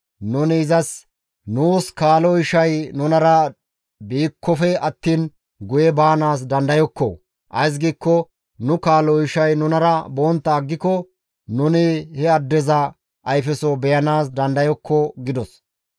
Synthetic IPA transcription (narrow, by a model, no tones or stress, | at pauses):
nʊnɪːzɐs | nuːskaːlɔɪʃɐjnʊnɐɾɐ | biːkʰːɔfɛɐt̪ːiːn | ɡʊjɛbaːnaːs̬d̪ɐnd̪ɐjɔkːɔ̰ | ʔɐ̰js̬ɡiːkːɔ | nʊkaːlɔɪʃɐjnʊnɐɾɐboːnt̪ːɐːɡːɪkɔ | nʊnɪhɛɐd̪ːɛzɐ | ɐjfɛsɔbɛjɐnaːs̬d̪ɐnd̪ɐjɔkːɔɡɪd̪ɔs